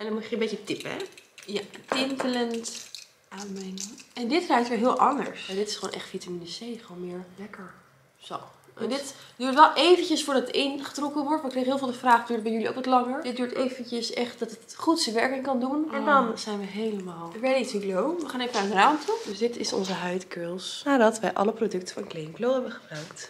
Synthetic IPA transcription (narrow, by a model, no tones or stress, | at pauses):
ɛndɑnmuçjəəmbejcətɪpəɛ̰jatɪntələnt | aːmɛnɛndɪtrɛjtʋɪɦɪːlˠʔɑ̰ndə̰ɹsadɪtɪ̥sχo̰ːnʔɛ̰χtfitaminəsejχəʋonmɪːɹlɛkəɹ | so̰w | ʔɛ̰ndɪtd̥yːɹtʋɛlˠʔejvəncəsfʊːɹdɑtətɪnχə̥trɔkənʋɔɹtmkrejχəɦɪːlˠvɪːlˠdəfraːχdyːɹt̚bɛjɵlio̰wkʋɔtlɑŋəɹd̥ɪt̚dyːɹtejvəncəsɛχt̚dɑtət | χutsəʋɛɹkɪŋkɑndunmadɑnz̥ɛjnʋəɦejləmaːlˠəɹʋɛdəisʋiɡlowʋəχaːnejvənaɹədraːntʰudøsdɪtɪsɔ̰nzəɦœɥtkølˠsnaːdɑtʋɛjʔɑ̰ləprodɵk̚tə̥fɑnklejnɡlowɦɛbənχəbrœɥkt